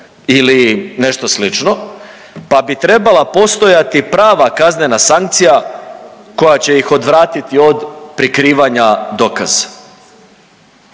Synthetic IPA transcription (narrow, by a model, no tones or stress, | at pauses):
iline̞ʃt̪o̞slit͡ʃno̞ | pabit̪ɾe̞balapo̞st̪o̞jat̪ipɾaːʋakazne̞nasaŋk̚t̪sija | ko̞jat͡ɕe̞jixo̞d̪ʋɾaːt̪it̪io̞d̪pɾikɾiːʋaɲad̪oka̰z̥a